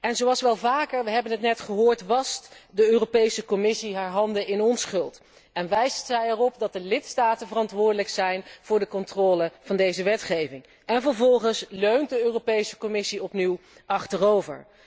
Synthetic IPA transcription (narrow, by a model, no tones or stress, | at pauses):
ɛnzowɑlˠsʋɛlˠvaːkəɹʋəɦɛbənɦətnɛtχəɦʊːɹtʋɑstdəøːropejsəkɔmɪsiɦaːɹɦɑndəʔɪnɔnsχɵlˠt | ɛnʋɛjszɛjɛrɔp̚dɑt̚dəlɪtstaːtənvərɑntʋʊːɹdələksɛjnv̥ʊːɹdəkɔntrɔːləv̥ɑndejzəʋɛtχejvɪŋ | ɛnvəɹvɔlˠχənsløɥnt̚dəøːropejsə̥kɔmɪsiɔpniw | ʔɑχtərowvə̰ɹ